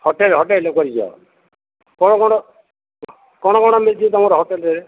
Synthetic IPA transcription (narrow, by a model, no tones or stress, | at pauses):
hoʈelɦɔʈelokɔɾikiɔ̰ | kɔɽ̃ɔkɔɽ̃ɔ | kɔɽ̃ɔkɔɽ̃ɔmed͡ʒit̪ɔmɔɾɦoʈelɾeɾe